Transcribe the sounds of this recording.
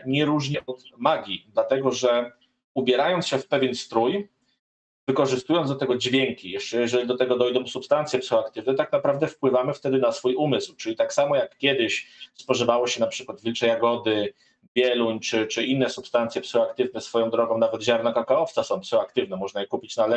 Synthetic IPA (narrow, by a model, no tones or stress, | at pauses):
ɲɛɾuʐɲɛʔɔt̪maɡʲid̪lat̪ɛɡɔʐɛ | ubʲjɛɾajɔnt̪sɕɛfpɛvʲjɛnst̪ɾuj | vɘkɔʐɘst̪ujɔnd̪ɔt̪ɛɡɔd͡ʑvʲjɛŋkʲijɛʂt͡ʂɛjɛʐɛlʲid̪ɔt̪ɛɡɔd̪ɔjd̪ɔ̃w̃supst̪ant̪sjɛpsxakt̪ɘvnɛt̪t̪ak̚napɾavd̪ɛfpwɘvamɘft̪ɛd̪ɘnasfujumɘswt͡ʂɘlʲit̪aksamɔjakːʲjɛd̪ɘɕspɔʐɘvawɔɕɛnapʂɘkwad̪vʲilt͡ʂɛjaɡɔd̪ɘ | bʲjɛluɲt͡ʂɘt͡ʂɘinːɛsupst̪ant̪sʲjɛpsɔakt̪ɘvnɛsfɔjɔ̃w̃d̪ɾɔɡɔ̃w̃navɛd̪ʑaɾnɔkakaɔft̪sasɔ̃w̃psɔak̚t̪ɘvnɛmɔʐnajɛkupʲit͡ɕnalɛ